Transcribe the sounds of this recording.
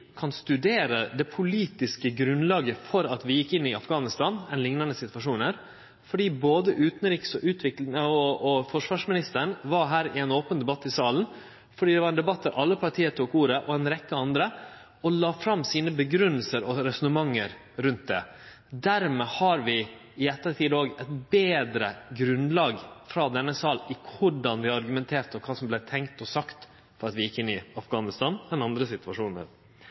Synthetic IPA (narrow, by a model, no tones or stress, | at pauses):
kʰɑnst̪ʉd̪eːɾəd̪ɛpʰʊliːt̪ɪskəɡɾʉnlɑːɡəfɔɾɑt̪ʋɪjɪkːɪnːɪɑfɡɑːnɪst̪ɑːnɛnlɪŋnɑnəsɪt̪ʋɑʂuːnhæːɾ | fɔɖiːboːd̪əʔʉːt̪n̩ɾiːksɔʔʉːt̪ʰʋɪklɪŋəɔɔfɔʂʋɑːʂmɪnɪst̪əɳʋɑɾɦæːɾɪɛnoːpənd̪ɛbɑt̪ːɪsɑːln̩ | fɔɖiːd̪ɛʋɑɾɛnd̪ɛbɑt̪ːəɾʔɑlːəpʰɑʈʰiːət̪ʰuːkuːɾəʔɔɛnɾɛkːəɑnd̪ɾə | ɔlɑːfɾɑmːsiːnəbəɡɾʉnːəlsəɾɔɾɛsɔnəmɑŋːəɾ | ɾʉnt̪̚d̪ɛ | d̪æɾmɛhɑɾʋɪ | ɪɛt̪ːət̪ʰiːd̪oːɡɛt̪beːd̪ɾəɡɾʉnlɑːɡfɾɑd̪ɛnːəsɑːlɪkʰʊɖɑnʋɪɑɾɡʉmɛnt̪ʰeːɾt̪ɔkʰɑːsɔmblɛt̪ʰɛŋkt̪ɔsɑkt̪ | fɔɾɑt̪ʋɪjɪkːɪnːɪɑfɡɑːnɪst̪ɑːnɛnɑnd̪ɾəsɪt̪ʉʋɑʂuːnə̰ɾ